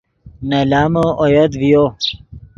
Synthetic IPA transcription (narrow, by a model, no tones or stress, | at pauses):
nɐlaːməojɐd̪vijo